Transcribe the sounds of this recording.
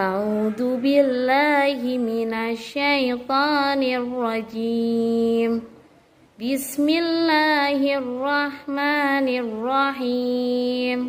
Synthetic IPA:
ʔaʕuːd̪ʊbɪlːaːɦɪmɪnaʃːajt̪ˤɑːnɪrˤːɑd͡ʒi | m | bɪsmɪlːaːhɪrˤːɑħmaːnɪrːɑħiːm

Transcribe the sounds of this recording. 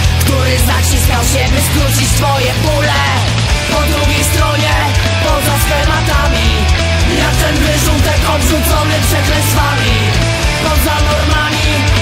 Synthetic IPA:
kt̪uɾɘzat͡ɕisnʲawɕɛvɘskɾut͡ɕit͡ɕsfɔjɛbulɛ | pɔd̪ɾuɡʲejst̪ɾɔɲɛ | pɔzasfɛmat̪amʲi | jat̪ɛnbɘʐut̪ɛkɔbʐut̪sɔnɘpʂɛk̪lɛsvamʲi | pɔzanɔɾmamʲi

